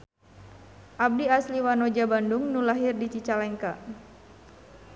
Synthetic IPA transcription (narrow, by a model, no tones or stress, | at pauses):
ʔab̚diasliwanɔd͡ʒabanduŋnulaɦirdit͡ʃit͡ʃalɛŋkaʔ